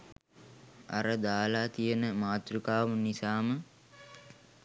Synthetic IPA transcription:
a̰ɾəd̪aːlaːt̪ijənəmaːt̪ɾukaːmunːisaːmə

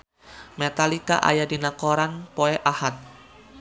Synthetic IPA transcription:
mɛt̪alika̰ʔa̰jadinakoɾanpoɛʔahat̪̚

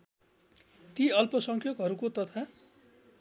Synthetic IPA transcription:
t̪iʌlpʌsʌŋkʰjʌkɦʌɾukot̪ʌt̪ʰa

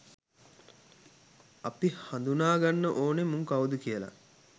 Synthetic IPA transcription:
apihand̪unaːɡanːəʔoːnemuŋkawud̪ukijəla̰

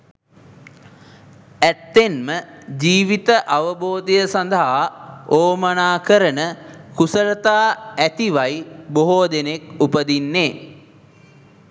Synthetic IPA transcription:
æt̪ːenməd͡ʒiːʋit̪əʔaʋəboːd̪ijəsand̪əɦaoːmənaːkəɾənəkusəɾət̪aːæt̪iʋajboɦoːd̪enekupəd̪inːeː

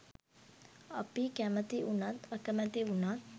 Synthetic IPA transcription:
əpikɛmət̪iʔunat̪əkɛmɛt̪iunat̪̚

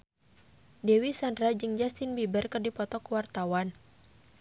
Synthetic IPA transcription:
dɛwisandɾad͡ʒɨŋd͡ʒast̪inbibərkɨrdipɔt̪ɔkuwart̪awan

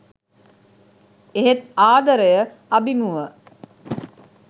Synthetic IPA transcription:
eɦet̪aːd̪əɾəjə | ɐbimuʋə

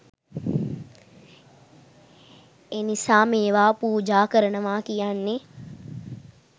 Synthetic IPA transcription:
enisaːmeːʋaːpuːd͡ʒaːkəɾənəʋaːkijanːe

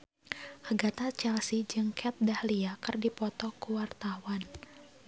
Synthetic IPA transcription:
ʔaɡat̪at͡ʃɛlsid͡ʒɨŋkʰɛt̪̚dahliakɨrdipɔt̪ɔkuwart̪awan

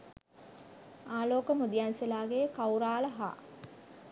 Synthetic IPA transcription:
aːloːkəmud̪ijanselaːɡekawɾaːləɦa̰ː

